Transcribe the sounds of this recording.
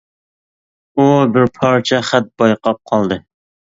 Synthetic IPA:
ubɪɾpʰɑɾt͡ʃʰɛχæt̪̚b̥ɑjqɑp̚qʰɑlˠd̪ɨ

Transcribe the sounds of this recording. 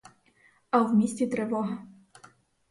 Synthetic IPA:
ɐwmʲisʲtʲit̪ɾɛʋɔɦɐ

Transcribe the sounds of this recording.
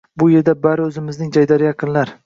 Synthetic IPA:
bʊje̞ɾd̪abaɾɪɵzɪmɪznɪŋd͡ʒajd̪aɾɪjɑqʰɨnlaɾ

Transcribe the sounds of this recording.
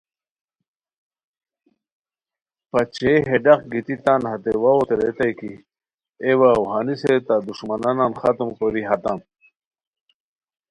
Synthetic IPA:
pat͡ɕeɦeɖaχɡit̪it̪anhat̪ewaot̪eɾet̪ajki | ewawɦaniset̪ad̪uʂmanananxat̪umkoɾiɦat̪am

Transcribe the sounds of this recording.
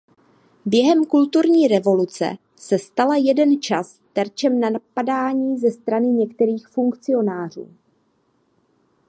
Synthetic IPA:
bjɛɦɛmkult̪uɾɲiːɾɛvo̞lut͡sɛ̰ | sɛst̪alajɛdɛnt͡ʃas | t̪ɛɾt͡ʃɛmnanapadaːɲiːzɛst̪ɾanɪɲɛkt̪ɛɾiːxfuŋkt͡sɪo̞naːr̝ṵː

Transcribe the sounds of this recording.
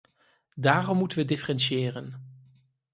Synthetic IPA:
daːrɔmːutənʋədɪfərɛnsɪːrən

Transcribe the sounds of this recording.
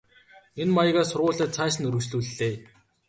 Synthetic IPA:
enmajə̆ɣaːsʊrʁʊːɮaːt̪t͡sʰæːʃ̬ɘ̆nɵɾɵ̆sɮuːɮːeː

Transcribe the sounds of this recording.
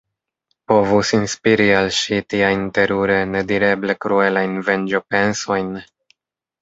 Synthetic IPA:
po̞vusinspiɾialʃitiajnte̞ɾuɾe̞ne̞diɾe̞ble̞kɾue̞lajnve̞nd͡ʒope̞nso̞jn

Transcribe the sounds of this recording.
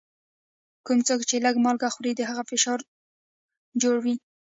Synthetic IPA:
kumt͡sokt͡ʃeləɡmɑlɡaxuɾid̪əɦaɣafɪʃɑɾ | d͡ʒoɽwi

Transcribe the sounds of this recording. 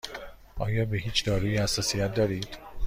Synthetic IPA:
ʔɒːjɒːbeɦiːt͡ʃʰd̪ɒːɾuːjihæsːɒːsijæt̪̚d̪ɒːɾiːd̪̥

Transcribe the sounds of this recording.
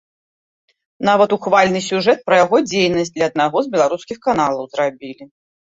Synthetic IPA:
navɐt̪uxvalʲnɨsʲuʐɛt̪̚pɾɐjaɣɔd͡zʲejnɐsʲt̚ʲd̪lʲɐːd̪̚naɣɔzbʲɛlˠaɾuskʲixkan̪alˠɐwzrabʲilʲi

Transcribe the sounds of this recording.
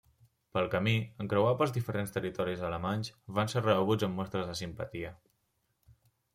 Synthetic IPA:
pəlˠkəmiəŋkɾəwapəlˠzðifəɾenst̪ərit̪ɔɾizələmanzβanserəəɣ̞ud͡zəmːɔst̪ɾəzðəsimpə̰t̪iə

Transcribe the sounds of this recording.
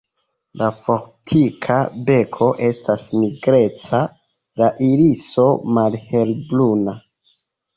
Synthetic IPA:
lafo̞ɾtʰikʰabe̞kʰo̞ʔe̞stasmiɡɾe̞t͡sa | laʔiliso̞malhe̞lbluna

